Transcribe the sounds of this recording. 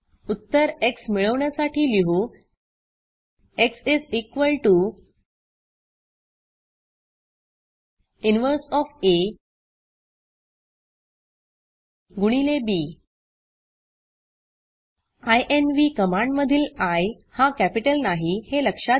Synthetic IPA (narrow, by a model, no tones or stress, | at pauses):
ut̪ːəɾeksmiɭəʋɳjasaʈʰiːliɦu | eksid͡zikʋəlʈu | inʋəɾsɔfe | ɡuɽ̃ilebi | ajʔenʋikəmãɳɖməd̪ʱiːlaj | hakæpiʈəlnaɦiheləkʂa